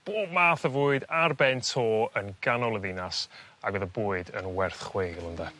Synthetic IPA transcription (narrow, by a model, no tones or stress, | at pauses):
b̥oːd̚maːθəvʊːɨdarbɛntʰoːənɡanɔlˠəðɪnas | aɡɔðəbuːɨdə̰nwɛrθχwejlˠəndɛ